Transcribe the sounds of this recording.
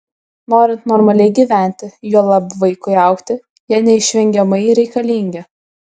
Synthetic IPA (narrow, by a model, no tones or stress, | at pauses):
noːɾʲɪnt̪nɔɾmɐlʲɛɪɡʲiːʋʲæˑnʲt̪ʲɪjuɔlˠɑbʋɐɪkʊɪɑˑʊkt̪ʲɪ | jɛːnʲɛɪʃʲʋʲɛŋʲɡʲɛmɐɪɾʲɛɪkɐlʲiːŋʲɡʲɛ